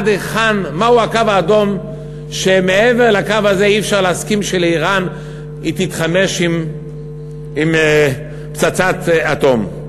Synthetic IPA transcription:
d̪eχanmauakavaːdo̞m | ʃemeeveʁlakavazeiːfʃaʁleaskimʃeliʁan | it̪it̪χame̞ʃim | im | pt͡sat͡sat̪at̪o̞m

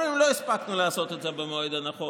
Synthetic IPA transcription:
imloispaknulaasot̪etzebemojd̪anaχo

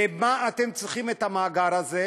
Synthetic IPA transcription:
emaːt̪emt͡sʁiχimet̪amaːɡaɾaze

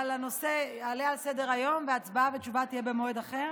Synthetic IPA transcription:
alano̞se̞alealsed̪e̞ʁajo̞mveat͡sbavet͡ʃuvat̪ijebemoed̪aχeʁ

